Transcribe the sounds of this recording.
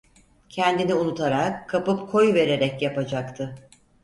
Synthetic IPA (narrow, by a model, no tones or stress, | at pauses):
cʰɛnd̪iniunut̪ʰaɾakʰːapɯpkʰo̞jve̞ɾe̞ɾɛcjapad͡ʒakt̪ʰɯ